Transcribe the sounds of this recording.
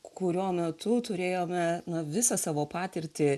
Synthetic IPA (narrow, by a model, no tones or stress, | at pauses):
kʊɾʲuɔmʲɛt̪ʊt̪ʊɾʲeːjoːmʲɛnɐʋʲɪsɐsɑːʋoːpɑːt̪ʲɪɾʲt̪ʲɪ